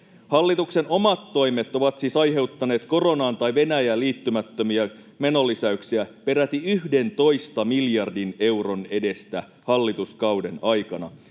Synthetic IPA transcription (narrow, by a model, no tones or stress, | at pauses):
hɑlːit̪ukse̞no̞mɑt̪ːo̞jme̞t̪o̞ʋɑt̪siːsɑjɦe̞uwt̪ːɑne̞ːt̪ko̞ro̞nɑːnt̪ɑjʋe̞næjæliːt̪ːymæt̪ːømiæ | me̞no̞lːisæyksiæpe̞ɾæt̪iyɦde̞nt̪o̞jst̪ɑmiljɑrdine̞wro̞ne̞de̞st̪æ | hɑlːit̪uskɑwde̞nɑjkɑnɑ̰